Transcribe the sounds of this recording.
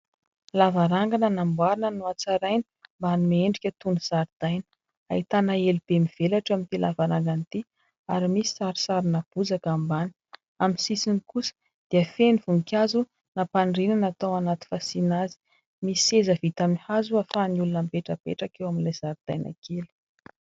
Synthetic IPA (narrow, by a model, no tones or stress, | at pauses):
lavaɾaŋɡanənambwaɾinənuat͡saɾajni̥mbanimeɳɖ͡ʐikʲət̪unuz̥aɾid̪̥ajnə̥ | a̰it̪anaelub̥emiv̥elaʈ͡ʂamint̪ilavaɾaŋɡant̪i | aɾimisi̥saɾi̥saɾinab̥uzakambani̥ | aminsisinikusə̥ | d̪̥eəfenivuŋkʲazu | napaɳrinanat̪awanat̪i̥fasinazi̥ | misiezəvit̪amihazuafaniulunəmpeʈ͡ʂəpḛʈ͡ʂakewaminlajz̥aɾid̪̥ajnʔa̰kʰelu̥